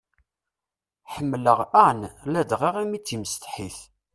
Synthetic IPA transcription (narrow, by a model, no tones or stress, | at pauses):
ħəmːləʁænlæd̪ʁiʁæmit͡sːiməst̪ħiθ